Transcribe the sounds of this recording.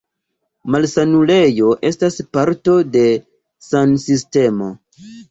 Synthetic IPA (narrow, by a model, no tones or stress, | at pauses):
malsanule̞jo̞ʔe̞staspaɾto̞de̞ | sansiste̞mo̞